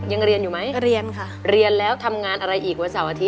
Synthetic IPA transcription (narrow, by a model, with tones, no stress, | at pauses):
ja˧ŋɾi˧ənjuː˨˩ma˦˥jɾi˧ənkʰa˥˩ɾi˧ənlɛː˦˥wt̪ʰa˧mŋaː˧nʔa˧ɾa˧jʔiː˨˩k̚wa˧nsaː˩˦wʔaː˧t̪ʰi˦˥t̚